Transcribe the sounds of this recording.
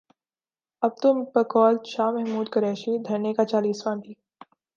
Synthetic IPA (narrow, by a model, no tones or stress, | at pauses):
ɐb̚t̪ʊmpɐkɔːlʃaːmɛɦmuːd̪kɐɾɛːʃid̪ʱɐɾnekat͡ʃaːliːsʋãːnb̪ʱiː